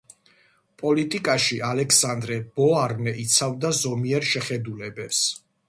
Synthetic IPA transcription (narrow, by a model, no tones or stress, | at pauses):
pʼɔlit̪ʼikʼaʃiʔalɛkʰsand̪ɾɛbɔaɾnɛʔit̪sʰavd̪azɔmiɛɾʃɛχɛd̪ulɛbɛps